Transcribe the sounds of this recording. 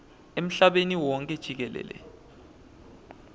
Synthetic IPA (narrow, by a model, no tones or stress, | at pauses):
em̩ɬaɓeniwɔŋkʼɛd̥ʒ̥ʱik̬ɛlɛ̰ːlɛ̰